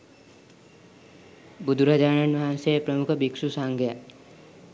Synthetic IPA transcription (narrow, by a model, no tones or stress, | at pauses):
bud̪uɾad͡ʒaːɳanʋaɦansepɾəmukʰʌbiksusaŋɡja